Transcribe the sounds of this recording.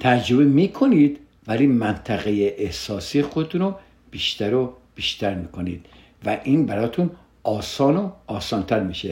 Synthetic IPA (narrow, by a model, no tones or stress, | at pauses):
t̪ʰæd͡ʒɾobemiːkʰo̞niːd̪ | væliːmænt̪ʰæɣejeʔehsɒːsiːjexod̪et̪ʰuno | b̥iːʃt̪æɾo | b̥iːʃt̪ʰæɾmiːkʰoniːd̪̥ | væʔiːnbæɾɒːt̪ʰun | ʔɒːsɒːnoɒːsɒːnt̪ʰæɾmiːʃe